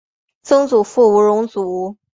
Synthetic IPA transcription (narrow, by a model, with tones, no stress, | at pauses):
t͡sɤ˥ŋt͡su˨˩fu˥˩u˧˥ɻʊ˧˥ŋt͡su˨˩u˧˥